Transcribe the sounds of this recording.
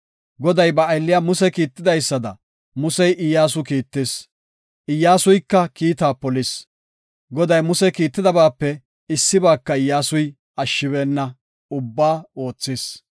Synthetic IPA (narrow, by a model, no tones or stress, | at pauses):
ɡɔd̪ɐjbɐːjlːɪjamʊsɛkiːt̪ːɪd̪ɐjsːɐd̪ɐ̰ | mʊsɛjʔɪjːaːs̬ʊkiːt̪ːeːs | ʔɪjːaːsʊjkːɐkiːt̪aːpɔlɪs | ɡɔd̪ɐjmʊsɛkiːt̪ːɪd̪ɐbaːpːɛ | ɪsːɪbaːkːɐɪjːaːsʊj | ɐʃːɪβeːnːɐ | ʊbːaːoːt͡sːɪs